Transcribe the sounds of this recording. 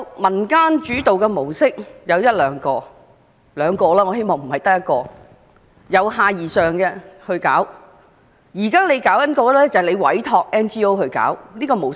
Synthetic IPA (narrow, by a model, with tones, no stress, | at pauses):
mɐ˨˩nkaː˥nt͡ʃyː˨˥t̪o˨wkɛː˧mo˨˩wsɪ˥k̚jɐ˨˧wjɐ˥t̚lœː˨˧ŋkɔː˧ | lœː˨˧ŋkɔː˧lɛː˥ŋɔ˨˧ɦe˥jmɔː˨ŋm̩˨˩hɐ˨jt̪ɐ˥k̚jɐ˥t̚kɔː˧ | jɐ˨˧wɦaː˨˧jiː˨˩sœː˨˩ŋkɛ˧hɵ˧ɥkaː˨˥w | jiː˨˩kaː˥le˨˧jkaː˨˥wjɐ˥t̚kɔː˧lɛː˥t͡sɐ˨hle˨˧jwɐ̰˨˥jt̪ʰɔː˧k̚ɛː˥nt͡ʃiː˥o˥whɵ˧ɥka̰ː˨˥wniː˥kɔː˧mo˨˩w